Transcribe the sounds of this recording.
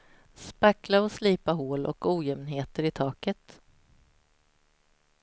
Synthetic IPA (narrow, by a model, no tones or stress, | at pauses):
spaklaɔsliːpaɦoːlʔɔ̰kuːjɛmnɦeːt̪əɾɪt̪ʰɑːkət̪